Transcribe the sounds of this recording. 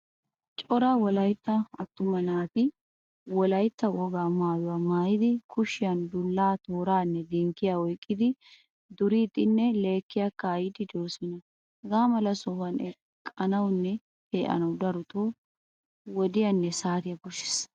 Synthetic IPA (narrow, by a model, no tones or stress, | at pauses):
t͡ʃʼɔɾaːwɔlɐjt̪ːɐɐt̪ːʊmɐnaːt̪ɪ | wɔlɐjt̪ːɐwɔɡaːmaːjʊwɐmaːjɪd̪ɪkʰʊʃɪjɐnd̪ʊlːaːt̪oːɾaːnːɛd̪iŋkːɪjaɔjkʼːɪd̪ɪ | d̪ʊɾiːt̪ʼːɪnːɛle̞ːkːɪjakːɐːjɪd̪ɪd͡ʒ̪oːsɪnɐ | ɡaːmɐlɐsɔfɐnɛ | kʼɐnɐwnːɛ | heːʔɐ̰nɐwd̪ɐɾʊt̪oː | wɔd̪ɪjɐnːɛsaːɾɪjɐɡʊʃɪ̥s